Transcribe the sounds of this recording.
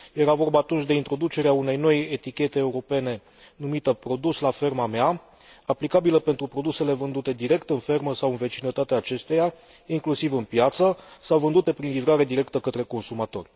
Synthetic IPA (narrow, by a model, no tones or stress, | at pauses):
je̞ɾavo̞rbaːt̪unt͡ʃʲd̪e̞int̪ɾo̞d̪ut͡ʃe̞ɾeaune̞jno̞je̞t̪ikʲe̞t̪eːuɾo̞pe̞ne̞ | numit̪əpɾo̞d̪uslafe̞rmamea | aplikabiləpe̞nt̪ɾupɾo̞d̪use̞le̞vɨnd̪ut̪e̞d̪iɾe̞kt̪ɨnfe̞rməsawɨnve̞t͡ʃinət̪at̪eaːt͡ʃe̞st̪eja | iŋklusivɨnpjat̪səsawvɨnd̪ut̪e̞pɾinlivɾaɾe̞d̪iɾe̞kt̪əkət̪ɾe̞ko̞nsumat̪o̞̰rʲ